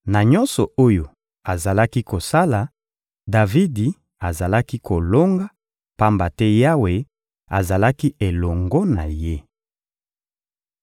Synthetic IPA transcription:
na˨ɲɔ˦nsɔ˨o˦jo˨ | a˨za˨la˦ki˦ko˨sa˦la˨ | da˨vi˦di˨ | a˨za˨la˦ki˦kʰo˨lo˦ŋɡa˦ | pa˦mba˨tɛ˦ja˦we˨ | a̰˨za˨la˦ki˦e˨lɔ˨ŋɡɔ˦na̰˨je˦

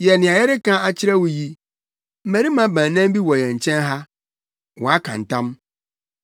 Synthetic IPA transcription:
jɛ˨nɪ̃˨a˨jɛ˦ɾɪ˦kã˦a˨t͡ɕʰɪ˦ɾɛ˦wʊ˨ji˦ | m̩˦mæ˨ɾi˦mã˨˦bãː˨nã˦m˦bi˦wɔ˨jɛ̃˨ɲ̩˨t͡ɕʰɛ̃˦nɦa˦ | wɔ̃˨a˦kʰã̰˨n̩˨tã˦m

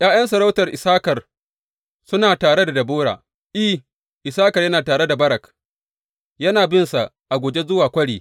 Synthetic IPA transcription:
jaː˦jɐ˦nsɐ˨ɾa˦wtɐ˨rʔɪ˨saː˦kɐ˨r | sʊ˦naː˨taː˨ɽe˦da˨dɐ˨bʊː˦ɽa̰ː˨ | ʔi˦˨ | ʔɪ˨saː˦kɐ˨rjɐ˦naː˨taː˨ɽe˦da˨bɐ˦ɾɐ˨k | jɐ˦naː˨bɪ˦nsa˨ʔ | ʔa˨ɡʷoː˨d͡ʒe˦zʊ˦waː˨kʷɐ˦ɽiː˨

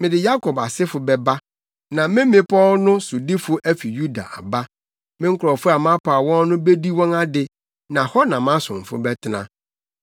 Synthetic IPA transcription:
mɪ̃˨dɪ˨ja˦kʰɔ˨ba˨sɪ˦fʊ˨bɛ˨ba˦ | nã˨mɪ̃˦mɪ̃˦pʰɔ˦lnʊ̃˦sʊ˨di˦fʊ˦ʔæ˦fi˨ju˦da̰˨ʔa̰˨ba˦ | mɪ̃˦ŋ̩˦kʰɾɔ˨fʊ˦a˨m˦ã˦pʰa˨a˨wɔ̃˦n˦nʊ̃˦be˦di˦wɔ̃˦na˦dɪ˨ | nã˨hɔ˦nã˨m˦ã˦sʊ̰̃˨m˨fʊ̰˦bɛ˦tʰɪ˨nã˦˨

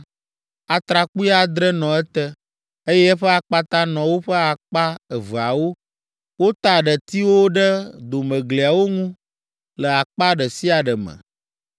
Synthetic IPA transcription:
a˨t̪ɾa˨k͡pu˦i˦a˦d̪ɾɛ˦nɔ̃˨ɛ˦t̪ə˦ | e˦jɛ˦ɛ˦ɸə˦a˨k͡pa˦t̪a˦nɔ̃˨wo˦ɸə˦a˨k͡pa˦ə˨və˨a˨wo˦ | wo˦t̪a˨ɖə˨t̪i˦wo˦ɖə˦d̪o˨mə̃˨ɡli˨a˨wo˦ŋũ˦ | lə˨a˨k͡pa˦ɖə˨si˦a˨ɖə˨mə̰̃˨

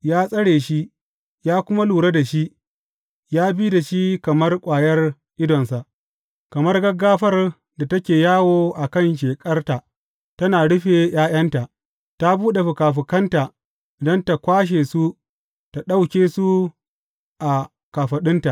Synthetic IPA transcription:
jaː˦sʼɐ˦ɽeː˨ʃi˦ | jaː˦kʷʊ˦ma˦luː˨ɽe˦da˨ʃi˦ʔ | jaː˦biː˦da˨ʃi˦kɐ˨mɐ˦rkʷʼaː˨jɐ˦r | ʔɪ˦dɔ˨nsa˨ʔ | kɐ˨mɐ˦rɡɐ˦ɡːaː˦ɸɐ˦r | da˨tɐ˦kʲeː˨jaː˦woː˦ʔa˨kɐ˦˨nʃ̬eː˨kʼɐ˦rta˨ | tɐ˦naː˨ɽʊ˦ɸe˨j̰aː˦j̰ɐ˦nta˨ʔ | ta˦buː˦ɗe˨ɸʊ˨kaː˨ɸɪ˨kɐ˦nta˨ | ʔɪ˨dɐ˦nta˨kʷaː˦ʃ̬eː˨su˦ | ta˨ɗa˦wkʲeː˦su˦ | ʔa˨ | ka˨ɸɐ˨ɗɪ˦nta˨

